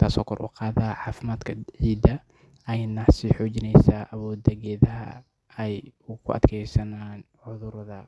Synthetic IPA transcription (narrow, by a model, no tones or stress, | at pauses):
t̪ʰaːsɔ̰ːkʰɔ̰rʔṵːqɑːðaʕɑːfɪmaːd̪kʰɐʕiːd̪ɐ | ʔɐjnːɐsiħɔːd͡ʒɪnɛjsaːʔɐwɔːd̪ɐɣɛːðɐɦɐ̰ | ɛjʊkʰʊʔɐ̰d̪kʰɛjsɐnaːn | ʕʊðʊɾðɐ